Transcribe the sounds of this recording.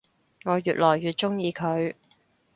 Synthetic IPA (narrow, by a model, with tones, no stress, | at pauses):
ŋɔː˨˧jyː˨t̚lɔː˨˩jːyː˨t̚t͡ʃʊ˥ŋjiː˨˧kʰɵ˨˧ɥ